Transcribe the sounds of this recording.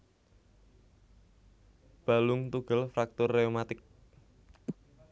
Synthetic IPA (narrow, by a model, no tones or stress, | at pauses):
b̥a̤lʊŋt̪uɡ̥ə̤lfɾak̚t̪ʊrːeomat̪ɪk̚